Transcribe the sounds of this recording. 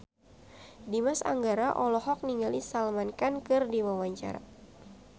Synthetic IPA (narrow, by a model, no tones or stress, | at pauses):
dimasa̰ŋɡaɾaʔɔlɔɦɔk̚niŋɡalisalmankankɨrdiwawaɲt͡ʃa̰ɾa̰